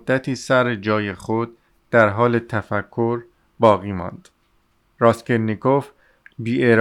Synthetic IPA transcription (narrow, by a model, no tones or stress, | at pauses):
d̪̥ːæt̪ʰiːsæɾed͡ʒɒːje̞χod̪̥̚ː | æɾɦɒːle̞t̪ʰæfækʰːoɾ | bɒːɣiːmɒ̰ːnd̪̥ | ɾɒːskeɾnikof | biːeɾ